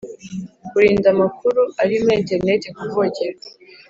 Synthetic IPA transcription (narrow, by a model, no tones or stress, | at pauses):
kuɾiːndamakuɾuaɾimenteɾne̞tekuvoceɾ